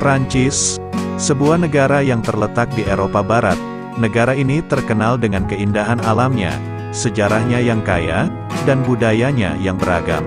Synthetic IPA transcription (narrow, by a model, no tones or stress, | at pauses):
pɾaɲt͡ʃɪsː | əbuahnəɡaɾajaŋt̪ərlət̪ak̚dieɾopabaɾa̰t̪̚ | nəɡaɾainit̪ərkənaldəŋankəindaɦanalamɲa̰ | səd͡ʒaɾahɲajaŋkaja̰ | danbudajaɲa̰jaŋbəɾa̰ɡa̰m